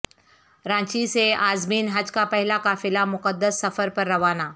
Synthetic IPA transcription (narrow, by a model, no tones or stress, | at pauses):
ɾãːt͡ɕiseaːzmiːnɦəd͡ʒkapəɦɪlakaːfilamʊkəd̪ːəsːɐfəɾpəɾːɐʋana